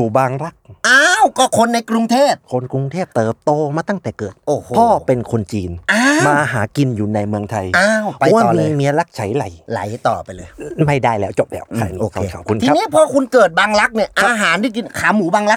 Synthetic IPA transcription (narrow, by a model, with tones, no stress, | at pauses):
uː˨˩baː˧ŋɾa˦˥k̚ʔaː˧˥wkɔː˧˩kʰo˧nːa˧jkɾu˧ŋt̪ʰeː˥˩p̚kʰo˧nkɾu˧ŋt̪ʰeː˥˩p̚t̪ɤː˨˩p̚t̪oː˧maː˧t̪a˥˩ŋt̪ɛː˨˩kɤː˨˩t̪̚ʔoː˨˩opʰɔː˧˥˩pe˧nkʰo˧nt͡ɕiː˧nʔaː˧maː˧ɦaː˩˦ki˧njuː˨˩na˧jmɯ˧əŋt̪ʰa˧jaː˧wpʰa˧ɔ˨˦waː˥˧˨mi˧mi˧˥ɐla˦˥k̚t͡ɕʰa˨˦jla˨˩˦jla̰˨˩˦jt̪ɔː˨˩pa˧jlɤː˧jma˥˩jdaː˧˥˩jlɛː˦˥wt͡ɕo˨˩p̚lɛː˦˥˩wkʰa˧˩ʔoː˧kʰe˧kʰɔ̰˨˩p̚kʰu˧nt̪ʰiː˧a˦˥˧iː˦˥˨pʰɔː˧kʰu˧nkɤː˨˩t̪̚baː˧ŋla˦˥k̚ni˧˩ɐʔa˧ɦaː˨˦ndi˧˥˩ki˧nkʰaː˨˦muː˩˦baː˧ŋla˦˥